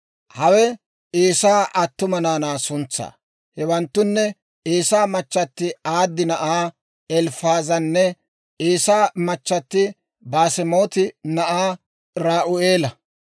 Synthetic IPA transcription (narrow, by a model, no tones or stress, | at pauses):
hɐwɛ | eːsaːʔɐt̪ːʊmɐnaːnaːsʊnt͡sːa̰ː | hɛwɐnt̪ːʊnːɛ | eːsaːmɐt͡ʃːɐt̪ːɪaːd̪ːɪnɐʔaː | ɛlfaːzɐnːɛ | eːsaːmɐt͡ʃːɐt̪ːɪ | baːsɛmo̞ːt̪ɪnɐʔaː | ɾaːʔʊeːlɐ